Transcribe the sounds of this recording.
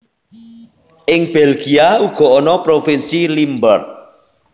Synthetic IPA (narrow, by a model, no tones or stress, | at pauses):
ʔɪŋb̥ɛlɡ̥iauɡ̥ɔ̤ɔnɔpɾofinsilimbər